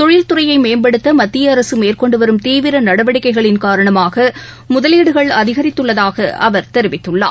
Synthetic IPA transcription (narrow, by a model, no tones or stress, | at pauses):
t̪ɔɻɪlt̪ʊrɐjɐɪmeːnbɐɽɯt̪ːɐmɐt̪ːɪjɐːɾɐsɯmeːrkɔɳɖɯʋɐɾɯmt̪iːʋɪɾɐnɐɽɐʋɐɽɪkːɐɪɣɐɭɪnkaːɾɐɳɐmaːɣɐ | mʊðɐliːɽɯɣɐɭɐðɪɣɐɾɪt̪ːɯɭːɐðaːɣɐʔɐ̰ʋɐɾt̪ɛɾɯʋɪt̪ːɯɭːa̰ː